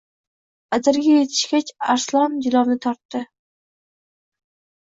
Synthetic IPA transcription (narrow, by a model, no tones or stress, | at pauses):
azɪɾɡʲajet̪ʰɪ̥ʃkʲat͡ʃaɾslˠɒmd̪ɪlˠɒwnɪt̪ʰɒɾt̪ːɪ